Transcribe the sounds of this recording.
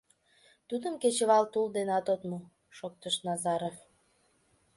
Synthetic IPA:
t̪ud̪əmket͡ɕəβɑlt̪uld̪enɑt̪ot̪mu | ʃok̚t̪əʃnɑzɑɾof

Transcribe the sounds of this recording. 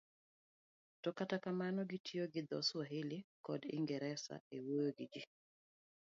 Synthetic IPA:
tɔkatakamanɔɡitʰioɡɪd̪ɔswaɦɪlɪkɔdɪ̰ŋɡɛɾɛsa̰ewojoɡɪd͡ʒi

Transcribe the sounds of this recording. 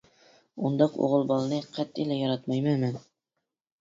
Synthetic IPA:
und̪ɑqo̰ʁɨlˠbɒlˠnɨqʰɑt̪ːilæjɒɾɑt̪mɑjmamæn

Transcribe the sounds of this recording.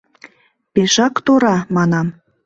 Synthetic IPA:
peʃɑkt̪oɾɑmɑnɑm

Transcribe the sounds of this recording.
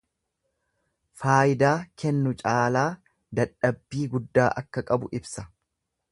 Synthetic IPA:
faːjɪd̪aːkʰɛnːʊt͡ʃʼaːlaː | d̪ɐᶑːɐbːiːɡʊd̪ːaːʔɐkːɐkʼɐbʊʔɪbsɐ

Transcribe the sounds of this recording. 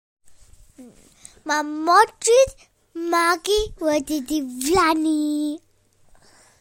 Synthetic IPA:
mamɔtɾid | maɡiwəd̪id̪ivlani

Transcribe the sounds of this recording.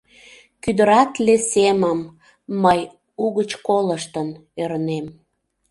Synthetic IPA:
kyd̪əɾɑt̪leseməmː | əj | uɣət͡ɕkoləʃt̪ən | øɾnem

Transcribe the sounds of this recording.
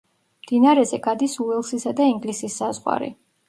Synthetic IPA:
md̪inaɾɛzɛɡad̪isuɛlˠsisad̪aiŋɡlisisːazʁwa̰ɾḭ

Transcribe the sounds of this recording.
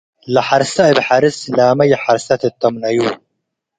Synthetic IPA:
lɐħaɾsaɪbħaɾɨslaːmɐjħaɾsɐt̪ɨt̪ːɐmnɐjuː

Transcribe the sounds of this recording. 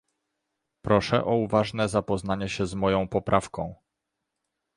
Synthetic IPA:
pɾɔʂɛ̰ʔɔuvaʐnɛzapɔzn̪aɲɛɕɛzmɔjɔ̃w̃pɔpɾʔafkɔ̃w̃

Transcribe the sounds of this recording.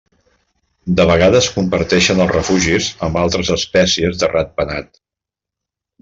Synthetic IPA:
d̪əβ̞əɣaðəskumbəɾt̪ɛʃənəlˠzrəfuʒizəmbalˠt̪ɾəzəspɛsiəzðərʔat̪̚pənat̪

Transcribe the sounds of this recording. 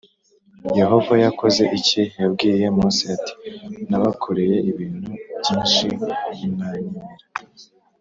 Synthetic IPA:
jeɦo̞vajako̞ze̞ʔicijab̚ɡiːje̞muːsiati̥naβakʰoɾeje̞ʔiβiːnhubɟiːnʃiinaɲiɾa

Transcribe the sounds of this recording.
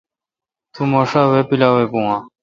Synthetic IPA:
t̪ʰumoːʂaːweːpilaːweːpũãː

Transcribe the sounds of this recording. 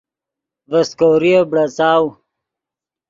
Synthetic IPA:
vɐskoːɾiebɽɐt͡saːw

